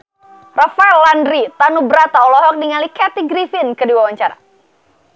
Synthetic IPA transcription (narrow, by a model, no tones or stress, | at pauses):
rafaɛlːandɾit̪anubəɾat̪aɔlɔɦɔk̚diŋalikɛt̪iɡɾifɪnkədiwawaɲt͡ʃaɾa̰